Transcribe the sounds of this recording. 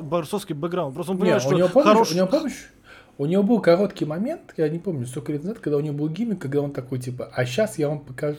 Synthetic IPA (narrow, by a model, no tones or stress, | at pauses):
bɐrsofskʲɪbəɡɾawn̚pɾost̪onpəeaʂʊnɪvopomʊnʲɪvopoməɕ | ʊnʲɪvo̞bɨlˠkɐɾo̞t̪kʲɪjmɐmʲe̞nt̪janʲɪpo̞mnʲʊst̪okəlʲet̪nɐzat̪kɐɡd̪aʊnʲɪvobɨlˠɡʲimʲɪkkːɐɡd̪ao̞nt̪ɐko̞jt̬ʲipəʔɐɕasjavɐmpəkɐ